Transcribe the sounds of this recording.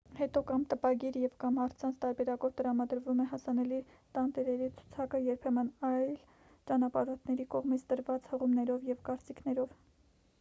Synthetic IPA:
hɛt̪ɔkɑmt̪əpɑɡiɾjɛvkɑmhɑɾt͡sʰɑnt͡sʰt̪ɑɾbɛɾɑkɔvt̪əɾɑmɑd̪əɾvumɛɦɑsɑnɛli | t̪ɑnt̪ɛɾɛɾit͡sʰu̥t͡sʰɑkəjɛɾpʰɛmənɑjl | t͡ʃɑnɑpɑɾɔt̪ʰnɛɾikɔʁmit͡sʰd̪əɾvɑt͡shəʁumnɛɾɔvjɛvkɑɾt͡sikʰnɛɾɔv

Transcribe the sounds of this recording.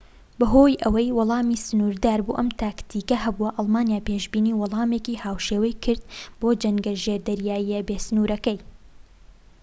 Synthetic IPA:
bɐɦoːjʔɐwɐjwʊlˠɑːmiːsɨnuːɾd̪aːɾbṵːʔɐmt̪ʰaːkt̪ʰiːkɐɦɐbuɐʔɑlˠmaːnjaːpeːʒbiːniːwʊlˠɑːmeːkiːhaːwʃeːwɐjkʰɨɾd̪̚boːd͡ʒɐŋɡɐʒeːɾd̪ɐɾjaːjiebeːsɨnuːɾɐkɐj

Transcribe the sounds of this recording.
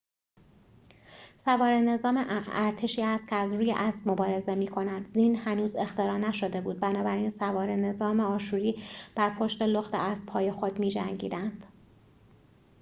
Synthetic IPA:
sævɒːɾe̞ne̞zɒːmeʔæɾt̪ʰeʃiːæst̪̚cʰeæzɾuːje̞̰ʔæsb̥̚mobɒːɾe̞ze̞miːkʰo̞næd̪zinhænuːze̞xt̪e̞ɾɒːnæʃo̞d̪e̞buːd̪̚bænɒːbæɾinsævɒːɾene̞zɒːmeɒːʃuːɾiːb̥æɾpʰoʃt̪e̞loxt̪ʰḛʔæsb̥hɒːje̞xod̪miːd͡ʒæ̰ŋɟḭːd̪ænd̪̥

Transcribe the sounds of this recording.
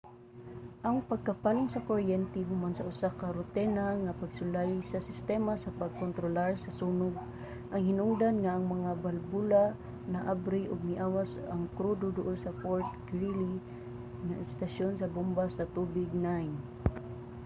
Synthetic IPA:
ʔaŋpaɡ̚kapalʊŋsakoɾjɛnt̪ɛɦʊmansaʔʊsakaɾʊt̪ɛnaŋapaɡsʊlajsasɪst̪ɛmasapaɡ̚kont̪ɾolaɹsasunʊɡ̚ | ʔaŋhɪnʊŋd̪anŋaʔːŋmaŋabalbula | naʔabɾɪʔʊɡ̚mɪʔawasa̰ŋkɾud̪ʊd̪ʊʔʊlsapoɹt̪̚ɡɾili | ŋaʔɪst̪aʃonsɐbumbasat̪ubɪɡ̚najn

